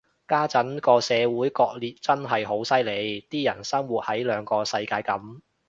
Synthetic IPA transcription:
kaː˥t͡sɐ˨˥nkɔː˧sɛː˨˧wuː˨˥jkɔː˧k̚liː˨t̚t͡sɐ˥nɦɐ˨˩jɦo˨˥wsɐ˥jle˨˧jt̪iː˥jɐ̰˨˩nsɐ˥ŋwuː˨t̚hɐ˨˥jlœː˨˧ŋkɔː˧sɐ˧jkaː˧jkɐ˨˥m

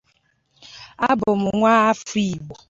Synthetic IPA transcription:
a˦bʊ˨mʊ˨ŋʷa˦a˦fi˨ɡ͡bo˨

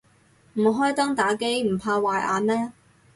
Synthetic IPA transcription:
m̩˨˩˨ɦɔː˥jt̪ɔː˥ŋt̪aː˨˥ke˥jm̩˨˩pʰaː˧waː˨˧jʔa̰ː˧nmɛː˥

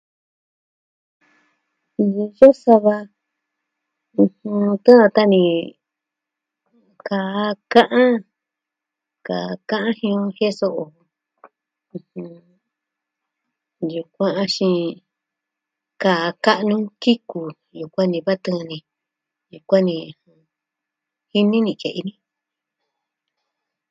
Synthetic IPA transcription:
jo˦sa˧βa˧ | ũ˧hũ˧t̪ã˦˧t̪a˦nĩ˧ | ka˨˦kã˦ʔã˦ | ka˨˧kã˦ʔã˦hĩ˧õ˧he˦so˧ʔo˨˧ | hũ˧ | ju˨kʷã˧a˧ʃĩ˧ | ka˨˧ka˦ʔnũ˦ki˦ku˧ | ju˨kʷã˦nĩ˧βa˦t̪ã˦˧nĩ˨ | ju˨kʷã˦nĩ˧˨hã˧ | hi˦nĩ˦nĩ˧˨ke˨ʔḭ˧nĩ˧

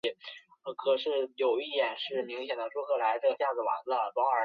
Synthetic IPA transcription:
ə˧˩kʰɤ˨˩ʂɻ̩˥˩jo˨˩ʊi˥˧jɛ˥˩nʂɻ̩˥˩mi˧˥ŋɕ̬jɛ˨˩nd̪ə˧˦ʈ͡ʂwɔ˥kʰɤ˥˩la˧˥ɪʈ͡ʂɤ˥˩ɡə˩ɕja˥˩d͡zɹ̩˨˩wa̰˧˥nə˧lwɑ˧˥ə˞˧˥

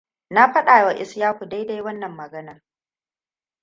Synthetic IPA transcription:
na˦ɸɐ˦ɗa˨jwa˨ʔɪ˦sjaː˦ɸu˨da˦jda˦jwɐ˦nːɐ˨mːɐ˨ɡɐ˦nɐ˦r

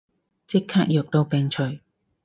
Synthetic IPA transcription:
t͡sɪ˥kʰːaː˥k̚jœː˨k̚t̪o˧wpɛː˨ŋt͡ʃʰɵ˨˩ɥ

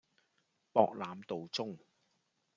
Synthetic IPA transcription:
pɔː˧k̚laː˨˧mt̪o˨wt͡sʊ˥ŋ

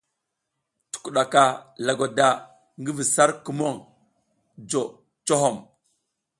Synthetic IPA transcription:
tu̥˨ku˨ɗa˨ka˨la˨ɡa˨da˨ | ŋɡi˦vi˨sa˦ɾku˨mo˦˨ŋ | d͡ʒo˨ | t͡ʃo˦ɦo˨m

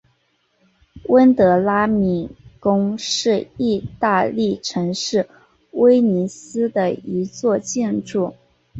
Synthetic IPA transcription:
wə˥nt̪ɤ˧˥la˥mi˨˩kʊ˥ŋʂɻ̩˥˧i˥˧t̪a˥˧li˥˩ʈ͡ʂʰɤ˧˥ŋʂɻ̩˥˩ | we˥ɪni˧˥sɹ̩˥d̪ə˨i˧˥t͡swɔ˥˧t͡ɕɛ˥˧nʈ͡ʂu˥˩

